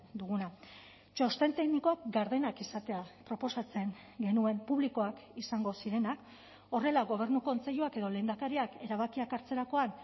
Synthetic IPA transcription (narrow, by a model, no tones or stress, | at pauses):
d̪uɣuna | t͡ʃo̞st̪e̞nt̪e̞ɣniko̞ak̚ɡaɾðe̞nakisat̪e̞apɾo̞po̞sat͡se̞ŋɡe̞nue̞mpuβ̞liko̞akisaŋɡo̞siɾe̞nak | o̞re̞laɣo̞β̞e̞ɾnuko̞nt͡se̞ʎuake̞ðo̞le̞ːnd̪akaɾiake̞ɾaβ̞akiakaɾt͡se̞ɾako̞an